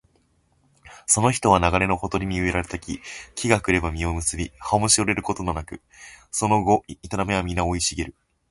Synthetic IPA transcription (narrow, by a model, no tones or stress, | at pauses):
so̞no̞çi̥t̪o̞β̞anaɡaɾe̞no̞ho̞t̪o̞ɾʲiɲiɯ̟e̞ɾaɾe̞t̪akʲḭkʲʰiɡakɯ̟ɾe̞bamʲio̞mɯ̟sɨbʲihaomo̟ɕioɾe̞ɾɯ̟ko̞t̪ononakɯ̟ | so̞no̞ɡo̞it̪aɾameamʲinːao̞iɕiɡeɾɯ̟